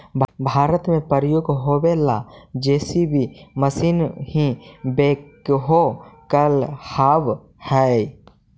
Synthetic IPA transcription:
bbʱaːɾət̪mẽpəɾəjoːɡɦowelad͡ʒɛːsibʱiməsinɦĩbeːkɦokəlhaːʋ | hɛ

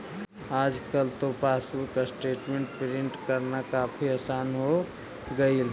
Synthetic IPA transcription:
ad͡ʒkəlt̪opasukasʈeʈmẽɳʈpɾiɳʈkəɾnakapʰiəsanɦo | ɡəil

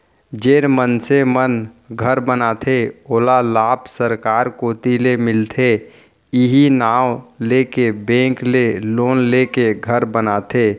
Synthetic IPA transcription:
d͡ʒeːɾmənsemən | ɡʱəɾbənat̪ʰeoːlalaːpsəɾkaːɾkoːt̪ilemɪlt̪ʰe | iɦinaːwlekebẽːkleloːnlekeɡʱəɾbənat̪ʰeː

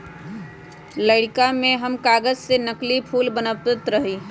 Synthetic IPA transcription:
ləɽkamẽɦəmkaːɡəzsenəklipʰuːlbənəʋt̪ɪt̪ɾəɦiː

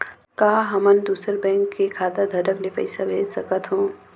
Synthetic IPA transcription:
kaːɦəmənd̪uːsəɾbɛ̃ːŋkːekʰaːd̪ad̪ʱəʈəklepɐ̰ɪsabʱeːd͡ʒsəkət̪ɦũː

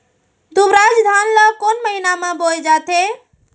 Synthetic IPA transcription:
d̪ubɾad͡ʒd̪ʱanləkonməɦinamebold͡ʒat̪e

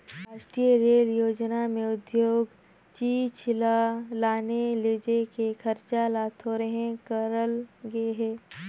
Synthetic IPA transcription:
ɾaːʃʈɾijəɾeːljoːd͡ʒnamẽʊd̪joːɡ | t͡ʃiːt͡ʃlalaːneleːd͡ʒekekʰɐɾt͡ʃalaːt̪ɦoːɾəɦẽkəɾəlɡeɦɛː

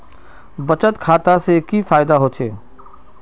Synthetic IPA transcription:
bɐt͡ʃət̪kʰaːt̪asekifaːɪd̪aɦoːt͡ʃʰeː

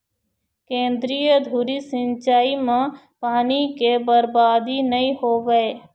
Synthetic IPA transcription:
kẽːnd̪ɾijəd̪ʱuɾisɪ̃nt͡ʃaːimã | paːnikebəɾbaːd̪inəĩhoːʋəe

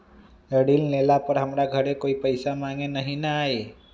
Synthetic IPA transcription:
əɽillelapəɾɦəmɾaɡʱəɾekoipəjsamãŋɡenəɦinaːɦe

